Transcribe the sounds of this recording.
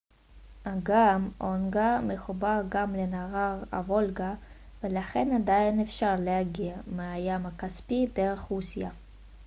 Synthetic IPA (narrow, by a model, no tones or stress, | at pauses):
aɡamʔonɡameχubaʁɡamlenaʁaʁa̰vo̞lɡa | velaχenadainefʃaʁlehaɡiameajamakaspideʁe̞χʁusija